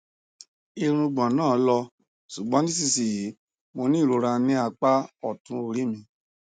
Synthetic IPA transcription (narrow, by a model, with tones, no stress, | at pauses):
i˧ɾ̃ũ˧ɡ͡bã˨nãː˦˨˦lɔ˧ | su˨ɡ͡bɔ̃˨˦nĩ˦s̬i˧si˨ji˨˦ | mo˧nĩ˦˨ɾo˧˦ɾa˧nĩ˦a˧k͡pa˦ɔ˦˨tũ˨˧˦o˧ɾi˨˦mĩ˧